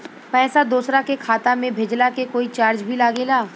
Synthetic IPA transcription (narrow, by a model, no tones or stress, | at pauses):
pɛːsad̪uːsɾakekʰaːt̪amẽbʱed͡ʒlakekoːit͡ʃaːɾd͡ʒbʱilaːɡelaː